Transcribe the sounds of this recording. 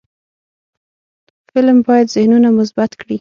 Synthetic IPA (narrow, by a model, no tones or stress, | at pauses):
fɪlmbɑjad̪zɪhnunamʊs̬bat̪kɽi